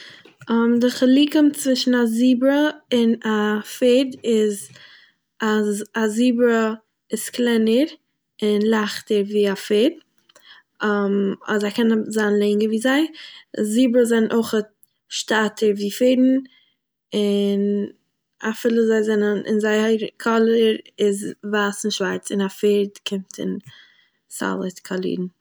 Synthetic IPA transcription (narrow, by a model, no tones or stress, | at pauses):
ɔmdɪχəlˠiːkəmt͡svɪʃn̩aziːbɾəɪnafeːdɪz | azaziːbɾə | ɪsklˠɛnəɾ | ɪnlˠaχtəɾviːafeːd̚ | mɔ̰zaɪkɛnzanlˠɛɪŋəviːzaɪziːbɾəzɛnnʔoɪχət̚ | ʃtatʰəɾviːfeɪdn̩ | ɪn | afɪlˠəzaɪzɛnənʔɪ̰nzaɪəɾkʰɔlˠəɾɪzvaːsɪn̩ʃvaɾt͡sɪnafeːɾdkʰɪmtʰɪ̰n | sa̰lˠətkʰalˠḭdn̩